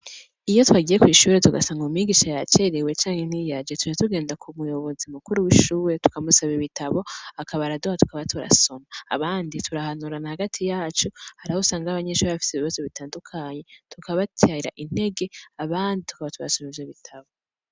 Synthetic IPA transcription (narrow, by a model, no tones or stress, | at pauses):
ijo̞twaːɡiːje̞kwiːʃuːɾe̞tuɡasaːŋɡuumiɡiʃajat͡ʃeɾewe̞t͡ʃaːŋhen̥ijad͡ʒetuɲetuɡe̞ːndakʰumujo̞βo̞zimukuɾuwiʃuːɾe̞tu̥kamusaβiβitʰaβo̞akaβaɾadohatu̥kaβatʰuɾa̰so̞ma̰ːβaːnditʰuɾahanuɾanahaɡatʰijaːt͡ʃuhaɾahosaːŋɡaβaɲeʃuːɾeβafi̥seβiβazoβitaːndukʰaːɲe̞tʰukaβatʰaiɾa̰ʔin̥e̞ɡe̞aβaːnditu̥kaβatuβasomivjoβitʰaβo